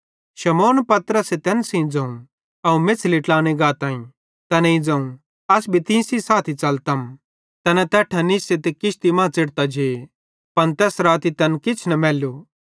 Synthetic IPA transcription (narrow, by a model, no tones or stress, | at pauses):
ʃɐmoːnpɐt̪ɾəset̪ɛnsĩd͡zɐ̃ũ | ɐũmɪt͡sʰliʈlaːɽ̃eɡaːt̪ãːĩ | t̪ɐnĩd͡zɐ̃ũ | ɐsbʱit̪ɪ̃sisaːt̪ʰit͡sɐlt̪ɐm | t̪ɐnɛ̃t̪ɛːʈʰɐnɪset̪ekɪʃt̪imãːt͡sɪɽt̪ad͡ʒʱe | pɐnt̪ɛːsɾaːt̪it̪ɛnkɪt͡sʰnɐmɛːloː